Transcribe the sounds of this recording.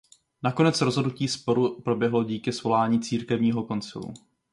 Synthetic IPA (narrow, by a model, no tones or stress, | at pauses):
nako̞nɛt͡sɾo̞zɦo̞dnuciːspo̞ɾupɾo̞bjɛɦlo̞ɟiːkɪsvo̞laːɲiːt͡siːɾkɛvɲiːɦo̞ko̞nt͡sɪ̰lṵ